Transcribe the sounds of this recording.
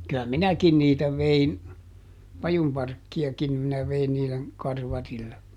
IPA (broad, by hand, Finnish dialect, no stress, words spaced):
kyæ minækin niːtæ ʋein pɑjumpɑrkːiɑkim minæ ʋein niːlen kɑrʋɑrilːe